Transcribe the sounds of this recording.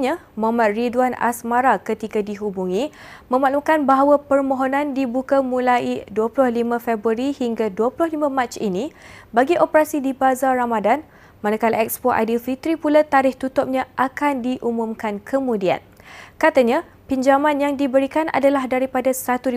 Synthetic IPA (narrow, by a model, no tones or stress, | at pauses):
ɲamamãt̪̚ridwana̰smaɾakət̪ikadiɦubuŋĩ | mə̃maʔlukanbaɦawapərmɔ̃ɦonãndibukamũlaiduəplʊhlimãfɛbɾuaɾihiŋɡaduəplʊhlimãmat͡ʃḭnibaɡiʔopəɾasidibazaɾamadan | manakalaʔɛk̚spoʔa̰difit̪ɾipulat̪aɾɪht̪ut̪ʊp̚ɲãʔakandiʔumumkankʰəmũdia̰nkat̪aɲã | piɲd͡ʒamãnjaŋdibəɾikanʔa̰dalahdaɾipadasat̪u